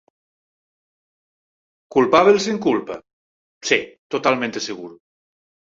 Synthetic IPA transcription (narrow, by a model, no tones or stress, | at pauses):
kulpaβels̬eŋkulpɐ | set̪ot̪almẽnt̪eseɣul